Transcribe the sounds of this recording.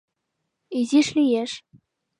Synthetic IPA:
izʲiʂlʲijeʂ

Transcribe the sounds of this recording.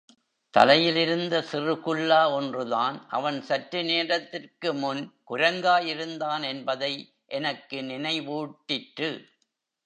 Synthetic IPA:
t̪ɐ̰lɐjɪlɪɾɯnd̪ɐsɪrɯɣɯɭːaːɔndrɯðaːnʔɐ̰ʋɐnsɐʈɾɯneːɾɐt̪ːɪrkɯmʊnkʊɾɐŋɡaːjɪɾɯnd̪aːnɛnbɐðɐɪ | ʔɛnɐkːɯnɪnɐɪʋuːʈːɪʈɾɯ

